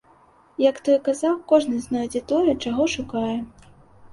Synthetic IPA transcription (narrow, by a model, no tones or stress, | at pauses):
jɐkt̪ɔjkazawkɔʐnɨznɔjd͡zʲɛt̪ɔjɛt͡ʂaɣɔʂukajɛ